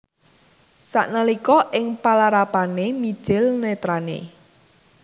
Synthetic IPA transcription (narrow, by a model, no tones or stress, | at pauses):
sa̰ʔnalikɔʔɪŋpalaɾapanemid̥ʒ̥ɪlnɛt̪ɾanḛ